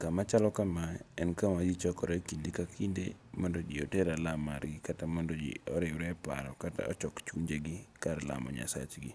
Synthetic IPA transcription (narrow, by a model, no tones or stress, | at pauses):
kamat͡ʃalɔkamaɛnkamad͡ʒit͡ʃɔkɔɾɛkindikakʰindḛmɔndɔd͡ʒioteɾalamaɾɡikatamɔndɔd͡ʒḭɔɾɪwɾɛpa̰ɾɔkata̰ɔ̰t͡ʃɔkt͡ʃuɲd͡ʒeɡɪkaɾla̰mɔ̰ɲa̰sa̰t͡ʃɡi